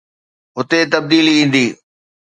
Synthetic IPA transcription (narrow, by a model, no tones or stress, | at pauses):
ɦʊt̪et̪ɐb̚d̪iːliĩːn̆d̪iː